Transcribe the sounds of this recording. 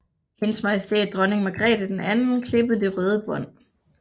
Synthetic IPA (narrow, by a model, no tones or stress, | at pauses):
hensmɑ̈ɪsd̥ed̥ʁɒ̽ne̝ŋmɑɡ̥ʁɛ̰ːd̥əd̥enænn̩kʰle̝b̥əð̩ˠd̥e̝ʁœːð̞ˠəb̥ɒ̽n̰